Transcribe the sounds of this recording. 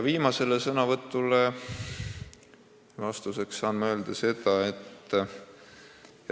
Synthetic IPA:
jviːmɑse̞lesɤnɑvɤt̪ˑːule | vɑst̪use̞ksːɑːnmɑø̞ld̪̥ɑse̞d̪ɑe̞t̪ː

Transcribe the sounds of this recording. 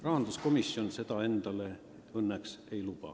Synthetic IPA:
rɑɦɑnd̪̥usko̞misːjo̞nse̞t̪ɑe̞nd̪̥ɑle̞ | ɤnːekse̞jlupɑ̰

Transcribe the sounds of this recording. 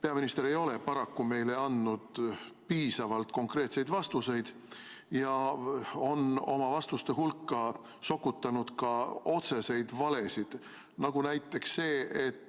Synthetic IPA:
pe̞ɑminist̪eɾe̞jo̞le̞pɑɾɑkːume̞jle̞ɑnd̪nud̪̥ | piːsɑvɑlt̪ko̞ŋkre̞ːt̪se̞jd̪vɑst̪use̞jd̪̥ | jɑ | o̞no̞mɑvɑst̪ust̪e̞ɦulkːɑ | so̞kːˑut̪ːˑɑnud̪̥kɑo̞t̪se̞se̞jd̪̥vɑle̞sid̪̥ | nɑɡ̥unæjt̪ːˑe̞ksːe̞ːet̪ː

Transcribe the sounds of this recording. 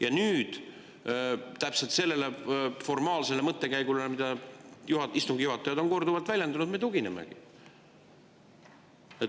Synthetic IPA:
jɑnyːd̪̥ | t̪æpselt̪se̞lːe̞le̞fo̞rmɑːlse̞lemɤt̪ːe̞kæjɡ̥ulemid̪̥ɑjuhɑist̪uŋɡ̥juɦɑt̪ːˑɑjɑd̪o̞nko̞rd̪uvɑlt̪vælʲjend̪unud̪met̪uɡinḛmḛɡ̥i | e

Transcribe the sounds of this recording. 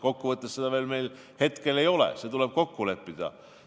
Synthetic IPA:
ko̞kːuvɤt̪ːˑesːed̪ɑveːlme̞jl | he̞t̪ke̞le̞jo̞lḛset̪uleb̥̚ko̞kːule̞pːid̪̥ɑ̰

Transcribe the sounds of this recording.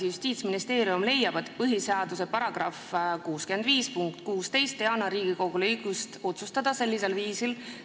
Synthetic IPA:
ijust̪iːt̪sminist̪eːɾiumle̞jɑb̥et̪pɤɦiseɑd̪use̞pɑɾɑɡ̥rɑfkuːskymend̪viːspuŋkt̪kuːst̪e̞jst̪ːeɑnɑɾiːɡ̥iko̞ɡ̥ulejkust̪o̞t̪sust̪ɑd̪̥ɑse̞lʲːise̞lviːsil

